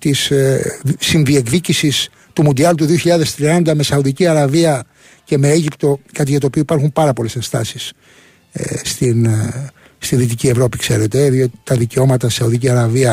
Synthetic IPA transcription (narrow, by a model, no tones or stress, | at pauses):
t̪isː | inðie̞kðicisis | t̪umund̪iɐlt̪uðio̞çiʎɐðe̞st̪ɾiɐnd̪ɐme̞sɐuðiciɐɾɐviɐ | ce̞me̞eʝipt̪o̞kɐt̪̬iʝɐt̪oːpioipɐɾxumpɐɾɐpo̞le̞se̞nst̪ɐsis | st̪in | st̪inðit̪̬icie̞vɾo̞pikse̞ɾe̞t̪e̞ðio̞t̪i̥t̪ɐðice̞o̞mɐt̪ɐsɐuðiciɐɾɐviɐ